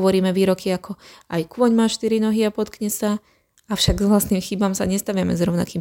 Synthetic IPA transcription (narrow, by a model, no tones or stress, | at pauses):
ʋɔɾiːmɛʋiːɾɔkiakɔajkʊɔɲmaːʃt̪iɾinɔɦiapɔt̪kɲɛsa | afʃaɡzʋlasniːmxibamsaɲɛst̪aʋɪamɛzɾɔʊna̰kiːm